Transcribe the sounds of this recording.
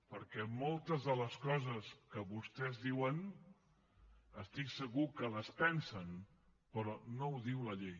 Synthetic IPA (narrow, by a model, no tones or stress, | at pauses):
pəɾkɛmolˠt̪əzðələskɔzəskəβust̪ɛzðiwən | əst̪iksəɣukələspɛnsən | pɾɔnowðiwləʎej